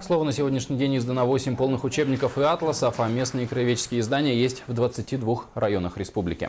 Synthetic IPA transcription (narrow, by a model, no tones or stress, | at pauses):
slˠo̞vənəsʲɪvo̞dʲnʲɪʂnʲɪjdʲenʲjɪzd̪ənəvo̞sʲɪmʲpo̞lˠnɨxʊt͡ɕe̞bnʲɪkəfɨat̪lˠəsəfɐmʲe̞snɨjəkɾəjʲɪvʲet͡ɕɪ̥skʲɪjəɪzd̪anʲɪjəjesʲtʲvd̪vət̪sɨtʲid̪vuxrɐjo̞nəxɾʲɪspublʲɪ̰kʲɪ̰